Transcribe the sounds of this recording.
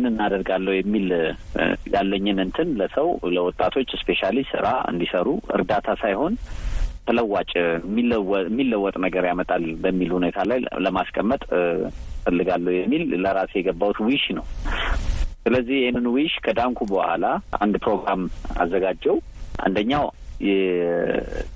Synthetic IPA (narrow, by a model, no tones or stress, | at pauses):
jnɨnːad̪əɾɡalːəwjɛmːil | ja̰lːəɲːɨnɨnt̪ʰɨnləsəwləwɔt̪ʼːat̪ʰo̞t͡ʃːɨspe̞ʃalisɨ̰ɾa̰ɨ̰nd̪isəɾuɨ̰ɾd̪at̪ʰasajho̞nt̪ʰələwːat͡ʃʼmːimːilːəwːɔt̪ʼnəɡəɾjamət̪ʼalbəmːilhune̞t̪ʰalajləmaskʼəmːət̪ʼ | fəlːɨɡalːəhwjɛmːilːəɾasjɛɡəbːawut̪wiʃnəw | sɨləzːihjɛhnɨnwiʃkʰəd̪aŋkʰubəha̰laʔa̰nd̪pɾo̞ɡɾama̰zːəɡad͡ʒɛwʔa̰nd̪əɲːawjɛ